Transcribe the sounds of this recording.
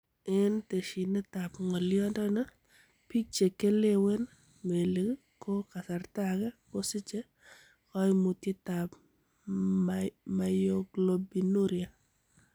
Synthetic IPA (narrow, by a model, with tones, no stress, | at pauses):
ɛ˦nte˨ʃi˨nɛ˦ta˨pŋɔ˨ljɔ˦ndɔ˦na˦ | pi˦k̚t͡ʃe˨ke˦le˦we˦n | me˨le˨k | ko˦ka˨sa˨rta˦ɡɛ˦ko˦sɪ˦t͡ʃe˦ | kɔ˦jmu˨tje˦ta˨p | ma˨jo˦ɡlo˨bi˨nu˦ɾja˨